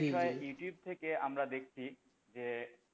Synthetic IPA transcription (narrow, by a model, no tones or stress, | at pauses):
iʃɔejuʈijub̚t̪ʰekeamɾad̪ekʰt͡ɕʰi | d͡ʑe